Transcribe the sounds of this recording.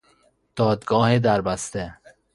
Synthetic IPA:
d̪̥ɒːd̪ɡɒːhed̪æɾbæst̪e

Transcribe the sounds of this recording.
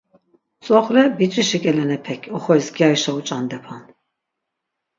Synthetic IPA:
t͡sʼɔχlɛbit͡ʃʼiʃikʼɛlɛnɛpʰɛkʰɔχɔjsɡjajʃaut͡ʃʼand̪ɛpʰan

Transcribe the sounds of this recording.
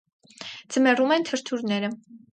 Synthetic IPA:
d͡zəmɛrumɛnt̪ʰəɾt̪ʰuɾnɛɾə

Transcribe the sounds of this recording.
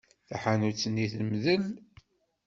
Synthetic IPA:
θaħanut͡sːənːiθmðəl

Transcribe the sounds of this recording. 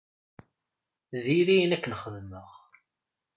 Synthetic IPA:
ðiɾijnækːənχəðməʁ

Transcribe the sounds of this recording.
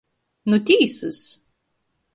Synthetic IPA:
nʊt̪ʲiːsɨs

